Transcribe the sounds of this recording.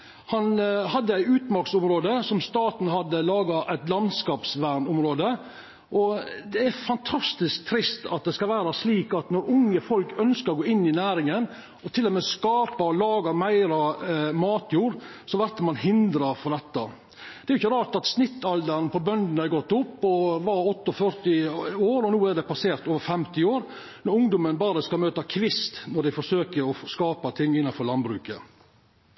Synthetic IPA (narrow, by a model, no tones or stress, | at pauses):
hɑnhɑd̪ːəæɪʉːt̪mɑɾksʊmɾoːd̪əsɔmst̪ɑːt̪n̩ɦɑd̪ːəlɑːɡɑʔæɪt̪lɑnd̪skɑːpsʋæɾɳʊmɾoːd̪ə | ʔɔd̪ɛæɾfɑnt̪ʰɑst̪ɪsk̚t̪ʰɾɪst̪ɑ̰t̪̚d̪ɛskɑlʋæːɾɑsliːkɑt̪nɔɾʊŋːəfɔlkœnskəɾɔɡoːɪnːɪnæːɾɪŋən | ɔt̪ʰɪlːɔmeːskɑːpɑɔlɑːɡɑmæɪɾɑmɑːt̪ʰjuːɾsɔʋæɾt̪əmɑnhɪnd̪ɾɑɾfɔɖ̪ɛt̪ːɑ | d̪̥ɛæɾʊɪçːəɾɑːʈɑt̪snɪt̪ːɑld̪əɾnpɔbœnd̪n̩æɾɡɔt̪ːʊpːɔʋɑɾɔt̪ːɔfœɾt̪ɪoːɾɔnuːæɖɛpɑseːɾt̪oːʋəɾfɛmt̪ɪoːɾ | nɔɾʊŋd̪ʊmənbɑːɾəskɑlmøːt̪ɑkʰʋɪst̪nɔɖ̪æɪfɔʂøːkəɾɔskɑːpət̪ʰɪŋːɪnːɑnfɔɾɭlɑnbɾʉ̰ːkə